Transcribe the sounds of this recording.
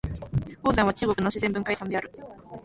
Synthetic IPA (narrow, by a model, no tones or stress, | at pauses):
hoːd̪ãɰ̃βat͡ɕɨːɡo̞kɯ̟noɕizembɯ̟ŋkaisãnd̪e̞aɾɯ̟